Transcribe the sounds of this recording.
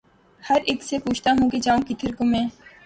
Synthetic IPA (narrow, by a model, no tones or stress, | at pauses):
həɾeːksepuːt͡ʃʰt̪aːɦũːked͡ʒãːũkɪt̪ʰəɾkomẽː